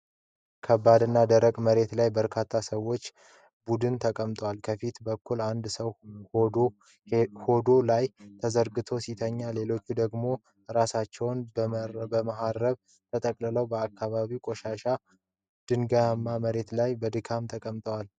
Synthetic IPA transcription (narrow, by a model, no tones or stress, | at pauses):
kʰəbːad̪ɨnːad̪əɾəkʼməɾe̞t̪lajbəɾkʰat̪ʰːasəwo̞t͡ʃː | bud̪ɨnt̪ʰəkʼəmt̪ʼwalkʰəfit̪bəkʰːuland̪səw | ho̞d̪o̞lajt̪ʰəzəɾɡɨt̪ʰo̞sit̪ʰəɲːale̞lo̞t͡ʃːud̪əɡmo̞ | ɾasat͡ʃːɛwnbbəmaɦaɾːəβ | t̪ʰət̪ʼəkʼlɨləwbəakʰːaβaβiwkʼo̞ʃaʃa | d̪̥ɨŋɡamːaməɾe̞t̪lajbəd̪ɨkʰamt̪ʰəkʼəmt̪ʼwal